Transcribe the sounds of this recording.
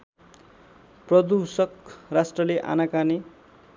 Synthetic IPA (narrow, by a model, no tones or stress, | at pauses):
prʌd̪usʌkrasʈrʌleʔa̰nakane